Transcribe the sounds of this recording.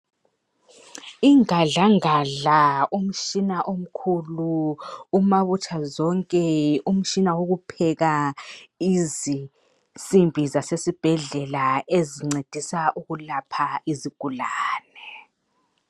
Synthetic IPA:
iŋaɮaŋaɮaum̩t͡ʃinaʔom̩kʰuluumaβut͡ʃʼʰazɔŋkʼɛum̩t͡ʃʼinawoɣupʰɛɣa | izi | simbʱizasesib̥ʱɛɮɛlaeziŋ͡ǀed̥ʱisaʔuɣulapʰaiziɡ̥ʱulaːnɛ

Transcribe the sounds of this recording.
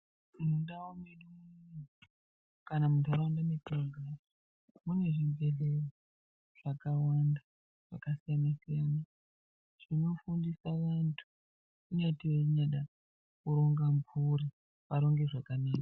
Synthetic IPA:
inondaomeɗumun | kanamutaɾoandametroŋɡras | mune̞ʐimbʱe̞leri | ʐ̥akawanda | ʐ̥a̰kasijanasijana | ʐ̥ino̞fundisaʋantʰu̥ | uɲatiweɲaɗa | kuɾo̞ŋɡampuɾi | paɾo̞ŋɡe̞ʐakaneːra

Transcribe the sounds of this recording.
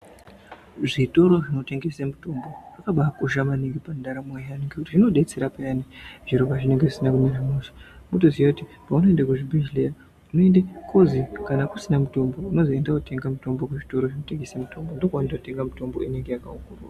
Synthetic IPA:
ʐito̞ɾo̞ʐino̞teŋɡe̞samuto̞mbo̞rakaɓakuʒamaniŋɡepandaɾamwejaneŋɡekutiʐino̞ɗe̞t͡se̞ɾapajaniʐiɾobaʐine̞ŋɡe̞ʐisinakumiɾamusu̥motozijakuti | pauno̞endak̬uʐibiʒileja | uno̞endakʰozikanakusinamuto̞mbo̞uno̞zoendakute̞ŋɡamuto̞mbo̞kuʐito̞ɾo̞ʐino̞te̞ŋɡe̞samutʰo̞mbondokwandakute̞ŋɡamuto̞mbo̞ineŋɡe̞jakaukuruːra

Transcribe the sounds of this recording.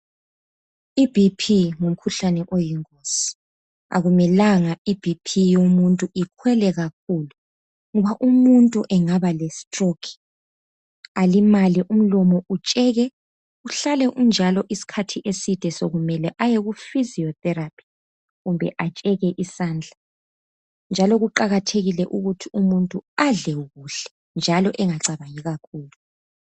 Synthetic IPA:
ib̥ʱipʰiŋum̩kʰuɬanɛʔojiŋkʼosi̥ | a̰ɣumɛlaŋaib̥ʱipʰijomuntʼuikʰwɛlɛɣak̚ʰuːlu | ŋɔβaʔumuntʼuʔɛŋaβalesi̥tʼrokʰi̥ | alimaliʔum̩lɔmɔut͡ʃʼɛɣɛ | uɬalɛʔund͡ʒʱalɔʔisi̥kʰatʰiʔesid̥ʱɛsoɣumɛlɛʔajeɣufiziɔθɛɾapʰi̥ | ɣumbʱɛ̰ʔat͡ʃʼɛɣɛʔisaːnd͡ɮʱa | nd͡ʒʱalɔɣuǃaɣatʰeɣilɛʔuɣutʰiumuntʼuaɮɛwuɣuɬɛ̥ | nd͡ʒʱalɔʔɛŋaǀaβajiɣakʰuːlu

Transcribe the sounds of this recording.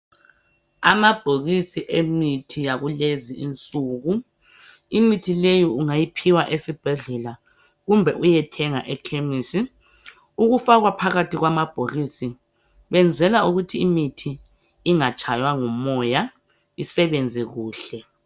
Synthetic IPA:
amab̥ʱoɣisiʔemitʰijaɣuleziint͡sʼuːɣu | imitʰilejiuŋajipʰiwaʔesib̥ʱɛɮɛla | ɣumbʱɛʔujɛtʰɛŋa̰ʔɛkʰemiːsi | uɣufaɣwapʰaɣatʰiɣwamab̥ʱoɣisi | βɛnd͡zʱɛlauɣutʰiimitʰiː | ŋat͡ʃʼajwaŋɔmɔja | isɛβend͡zʱiɣuːɬɛ

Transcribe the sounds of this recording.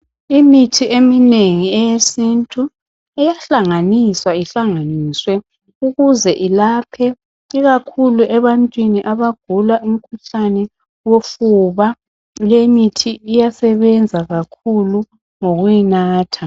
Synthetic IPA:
imitʰiʔemineŋiɛjesintʼu | ɛjaɬaŋaniswaiɬaŋaniːswɛ | uɣuzɛʔilapʰɛ | iɣakʰuluʔɛβantʼwiniʔaβaɡ̥ʱulaum̩kʰuɬanɛ | wofuβa | lemitʰiijasɛβɛnd͡zʱaɣakʰulu | ŋoɣujinaːtʰa

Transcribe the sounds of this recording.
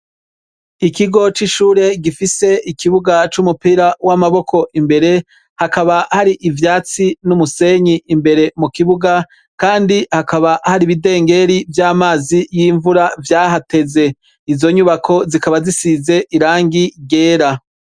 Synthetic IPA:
ikiɡo̞t͡ʃiʃuːɾe̞ɡifise̞ikiβuɡat͡ʃumupiːɾawamaβo̞kʰo̞ʔimbe̞ɾe̞ | hakaβahaɾiʔivjaːt͡sinumuse̞ɲiʔimbe̞ɾe̞mukiβuɡa | kaːndihakaβahaɾiβide̞ːŋɡe̞ɾivjaːmaːzijiɱvuɾavjaːɦate̞ze̞ | izo̞ɲuβakʰo̞zikaβazisize̞ʔiɾaːŋɡiɡe̞ːɾa

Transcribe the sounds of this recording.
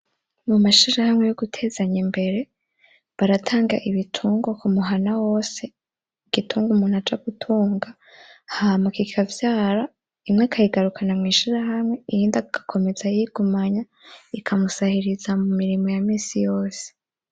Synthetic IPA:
mumaʃiɾahamŋe̞joɡutʰe̞ːzaɲimbe̞ɾe̞ | βaɾatʰaːŋɡa̰ʔiβitʰuːŋɡo̞kumuɦanawo̞ːse̞ | iɡ̥itʰuːŋɡumuːnhad͡ʒaɡ̥utʰuːŋɡa | hamakikʰavjaːɾa | imŋakʰajiɡaɾukʰanamŋiːʃiɾahamŋe̞ijiːndakḁkʰo̞me̞zajiɡ̥umaɲa | ikʰamusahiɾizamumiɾimo̞jamiːnsijo̞ːse̥

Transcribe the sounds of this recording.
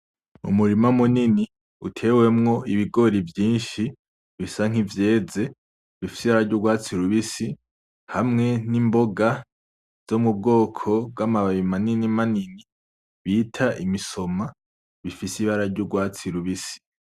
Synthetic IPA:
ṵmuɾimamunini | utʰe̞ːwe̞mŋo̞ʔiβiɡo̞ɾivjiːnʃi | βisaŋ̥ivje̞ːze̞ | βifi̥siβaɾaɾɟuɡwaːt͡siɾuβisi | hamŋe̞nimbo̞ɡa | z̥omub̚ɡo̞ːkʰo̞b̚ɡamaβaβimaninimanini | βiːtʰaʔimiso̞ma | βifisiβaɾaɾɟuɡwaːt͡siɾuβisi̥

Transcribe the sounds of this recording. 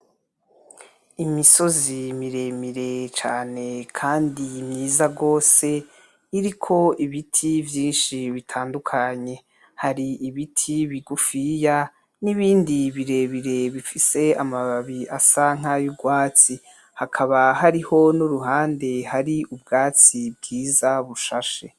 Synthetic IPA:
imiso̞zimiɾe̞miɾe̞t͡ʃaːne̞kʰaːndimɲiːzaɡo̞ːse̞ | iɾikʰo̞iβitʰivjiːnʃiβitʰaːndukʰaɲe̞ | haɾiʔiβitʰiβiɡufija | niβiːndiβiɾe̞ːβiɾe̞βifise̞amaβaβiʔasaŋ̥ajuɡwaːt͡si | hakʰaβahaɾiho̞nuɾuɦaːnde̞haɾiʔubɡaːt͡sib̚ɡiːzaβuʃaʃe̞̰

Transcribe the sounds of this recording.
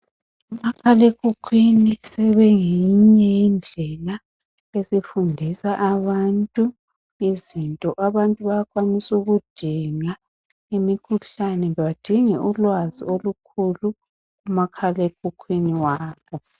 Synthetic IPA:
umakʰalekʰʼukʰwinisɛβɛŋiɲɛjind͡ɮʱɛla | esifundʱisaʔaβantʼu | izintʼɔʔaβantʼuβajakʰʼwanisuɣud̥ʱiŋa | imikʰuɬanɛɛβad̥ʱiŋɛʔulwaziolukʰulu | ɣumakʰalek̚ʰʼukʰwiniwaːβɔ

